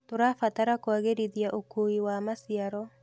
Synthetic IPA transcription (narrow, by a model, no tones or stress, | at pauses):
toɾafataɾakoaɣeɾiðjaʔokoiwamasiaɾɔ